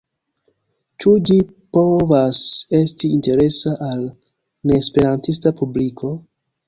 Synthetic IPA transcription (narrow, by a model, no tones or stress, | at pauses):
t͡ʃud͡ʒi | po̞vase̞stiːnte̞ɾe̞saʔal | ne̞ːspe̞ɾantistapublikʰo̞